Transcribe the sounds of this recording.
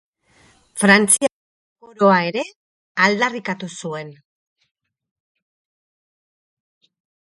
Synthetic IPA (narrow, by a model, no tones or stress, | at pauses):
fɾant͡sia | poɾo̞ae̞ɾe̞ | ald̪arikat̪usue̞n